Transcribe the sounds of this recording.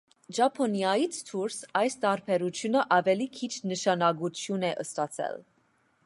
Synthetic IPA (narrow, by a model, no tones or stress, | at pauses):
ʒɑpʰɔnjɑjit͡sʰt̪ʰuɾsɑjst̪ɑɾpʰɛɾut͡sʰjunəʔɑvɛlikʰit͡ʃʰnəʃɑnɑɡut͡sʰjunɛʔəst̪ɑt͡sʰɛ̰l